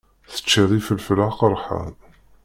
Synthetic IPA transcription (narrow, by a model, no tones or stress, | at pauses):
θə̥t͡ʃːiðˤifəlfəlaqəɾˤħa̰ð